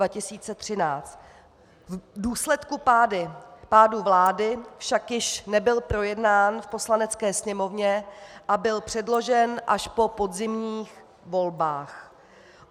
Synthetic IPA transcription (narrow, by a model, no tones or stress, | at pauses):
vacɪsiːt͡sɛt̪r̝̥ɪnaːt͡st̪ | vduːslɛt̪kupaːdɪpaːduvlaːdɪfʃakjɪʃnɛbɪlpɾo̞jɛdnaːnfpo̞slanɛt͡skɛːsɲɛmo̞vɲɛʔabɪlpr̝̥ɛdlo̞ʒɛnʔaʃpo̞po̞dzɪmɲiːx | vo̞lbaːx